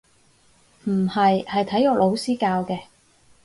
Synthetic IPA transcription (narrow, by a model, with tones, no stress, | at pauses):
m̩˨˩hɐ˨jhɐ˨jt̪ʰɐ˨˥jɔː˧˥lʔo˨˧wsiː˥kaː˧wkɛː˧